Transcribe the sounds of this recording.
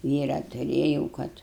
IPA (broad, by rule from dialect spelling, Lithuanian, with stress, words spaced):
ˈʋʲiːrɑː tʊˈrʲeːjɛʊ ˈkɐt